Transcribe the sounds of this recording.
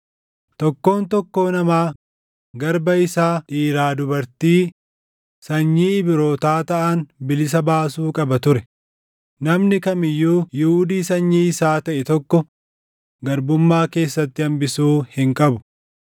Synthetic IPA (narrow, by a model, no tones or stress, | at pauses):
t̪ɔkːo̞ːnt̪ɔkːo̞ːnɐmaː | ɡɐɾbɐɪsaːᶑiːɾaːd̪ʊbɐɾt̪iː | sɐɲːiːɪbɪɾo̞ːt̪aːt̪ɐʔɐnbɪlɪs̬ɐbaːsuːkʼɐbɐt̪ʊɾɛ | nɐmnɪkɐmɪjːuːjɪhʊːd̪iːsɐɲːiːɪsaːt̪ɐʔɛt̪ɔkːɔ | ɡɐɾbʊmːaːke̞ːsːɐt̪ːɪɐmbɪsuːhɪŋkʼɐbʊ̥